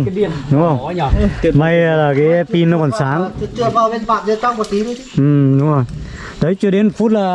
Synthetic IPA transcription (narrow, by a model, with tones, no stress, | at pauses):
i˧˩əɗʊ˨˦o˨˧˩jma˧jlaː˨˩kaː˨˦pi˧nɨ˨˧˦ka˨˩nsaː˨˦ŋ˧t͡ɕɨ˧˩əvaː˧˩ɓe˧˦nfa̰ː˧˨nzə˧t̪a˧˦ŋk̚ːt̪i˨˦˨ʔɨ˨˩ɗʊ˨˦ŋ͡mzo˨˩j | ɗə˨˦jt͡ɕu˧˩ɗe˨˦n˨˩fu˦˥t̚laː˨˩